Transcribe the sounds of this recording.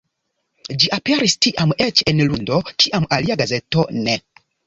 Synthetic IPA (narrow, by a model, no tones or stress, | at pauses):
d͡ʒiʔapeɾistiʔamet͡ʃenlundo̞kiʔamaliaɡaze̞to̞ne